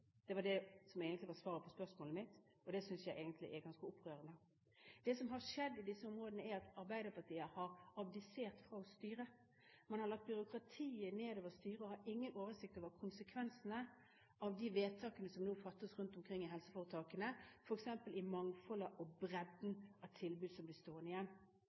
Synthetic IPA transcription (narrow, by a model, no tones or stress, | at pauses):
d̪̥ɛʋɑɖɛsɔmeɪɡənt̪lʋɑsʋɑːɾəpʰɔspœʁsmoːləmɪt̪ | ɔd̪ɛsʏnsjæɪʔeːɡənt̪ʰlɪ̰ʔɛɾɡɑnskəʊpːɾøːɾənd̪ə | d̪̥ɛsɔmɦɑʂɛd̪ːɪd̪ɪsːəʊmɾoːd̪ənəæɾɑt̪ɑɾbæɪd̪əpʰɑt̪ʰiːəhɑɾɑbd̪ɪseːʁt̪fɾɑːɔst̪yːɾə | mɛnhɑɾlɑk̚t̪̚bʏɾʊkʰɾɑt̪ʰiːəneːd̪oːʋəɾst̪yːɾəɔhɑɾɪŋːənʔoːʋəsɪk̚t̪oːʋəɾkʰʊnsəkʰʋɛnsənə | ʔɑʋd̪iʋeːt̪ʰɑːkənəsɔmnuːfɑt̪ːəsɾʉnt̪ʊmkʰɾɪŋːɪɦɛlsəfoːʁɾət̪ʰɑːkənəfɔɾɛksɛmpəlɪmɑŋfɔləʔɔbɾɛd̪nɑt̪ʰɪlbʉːd̪sɔmblɪst̪oːʁənɪjɛnː